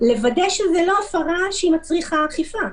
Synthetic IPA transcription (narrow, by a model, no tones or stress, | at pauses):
levadejʃezelo̞afaʁaʃeimat͡sʁiχaχifa